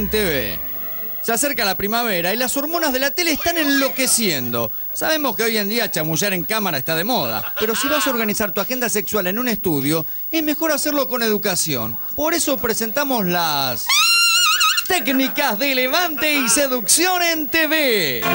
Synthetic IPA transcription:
nt̪eβḛ | seaseɾkalapɾimaβ̞eɾailaso̞ɾmo̞nazðe̞lat̪eleːst̪anẽnlo̞kesjend̪o̞̰ | sa̰βe̞mo̞skeoje̞nd̪iat͡ʃamuʒaɾeŋkamaɾaest̪að̞e̞mo̞ð̞a̰pe̞ɾo̞siβaso̞ɾɣanisaɾt̪uaxe̞nd̪ase̞kswale̞nũnest̪uð̞jo̞ | ezme̞xo̞ɾaseɾlo̞ko̞ne̞ð̞ukasjo̰npo̞ɾe̞so̞pɾese̞nt̪amoslas | t̪eknikazðeleβant̪eiseðuksjo̞nent̪eβe

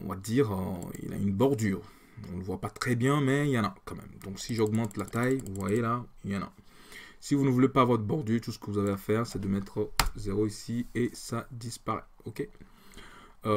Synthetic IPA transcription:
ɔ̰̃va̰d̪iːʁøḭla̰ynbɔʁd̪yːʁ | ɔ̃nləvwapat̪χɛbjɛ̃mɛiljɑ̃na̰kɑ̃mɛ̰md̪ɔ̃ksiʒɔɡmɑ̃t̪lat̪ajvuvwajelajɑ̃na̰ | sivunəvulepavɔt̪bɔʁd̪yʁt̪usə̥kəvuzaveafɛːʁsɛd̪əmɛt̪χəzeʁoisiesad̪ispaʁɛ̰ | ɔkʲe

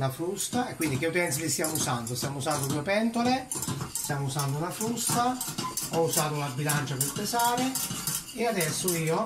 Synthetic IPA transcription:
lafɾust̪aekːwind̪ik̟eup̪ɛnt̪silɪst̪jaːmousand̪ost̪jaːmousand̪od̪uːepɛnt̪olest̪jaːmousand̪ʊunafɾust̪aɔusaːt̪ʊunabːilant͡ʃapelpesaːɾɪ | ead̪ɛsːʊiːo

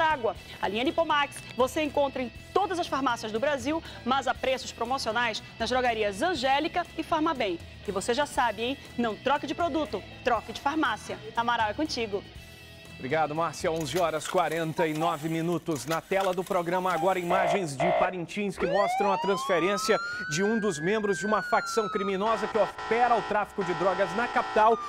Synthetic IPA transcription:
ɾaɡwɐ | alĩɲɐnipomaksvoseẽkõnt̪ɾɐẽj̃t̪od̪ɐzɐsfaɾmasiɐzd̪ʊbɾaziwmɐzapɾesʊspɾomosionajznɐzd̪ɾoɡaɾiɐzɐ̃ʒɛlikɐɪfaɾmɐbẽj̃ | ɪvoseʒasabɪẽj̃ | nɐ̃w̃t̪ɾɔkɪd͡ʒɪpɾod̪ut̪ʊt̪ɾɔkɪd͡ʒɪfaɾmasiɐamaɾawɛkõt͡ʃiɡʊ | bɾiɡad̪ʊmaɾsiɐõzɪɔɾɐskwaɾẽnt̪ɐɪnɔvɪmĩnut̪ʊznɐt̪ɛlɐd̪ʊpɾoɡɾɐ̃mɐaɡɔɾɐimaʒẽj̃zd͡ʒɪpaɾẽnt͡ʃĩskɪmɔst̪ɾɐ̃w̃ɐt̪ɾɐ̃sfeɾẽsiɐd͡ʒɪũd̪ʊzmẽmbɾʊzd͡ʒɪũmɐfaksɐ̃w̃kɾiminɔzɐkɪofɛɾɐʊt̪ɾafi̥kʊd͡ʒɪd̪ɾɔɡɐznɐkapi̥t̪aw

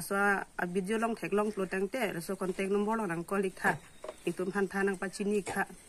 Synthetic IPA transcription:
asɔaa̰bidiɔlɔŋtʰɛklɔŋplɔtaŋtɛɾasakɔntɛk̚nɔmbɔɾlɔŋnaŋkɔlik̚t̪ʰaʔ | niktumpʰant̪ʰanaŋpat͡ʃinik̚tʰaʔ

